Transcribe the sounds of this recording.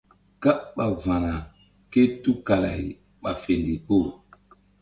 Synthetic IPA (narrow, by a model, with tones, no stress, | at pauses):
ka˦ɓa˨vã˨na˨ | ke˦tu˦ka˨la̰˨i˨ | ɓa˨fe˨ndi˨ko˦˨